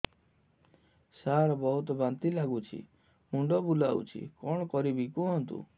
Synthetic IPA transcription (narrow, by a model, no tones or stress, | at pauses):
saɾɔbɔɦut̪ɔbant̪ilaɡut͡ʃʰḭ | muɳɖɔbulaṵt͡ʃʰḭkɔɽ̃ɔkɔɾibikuɦɔnt̪ṵ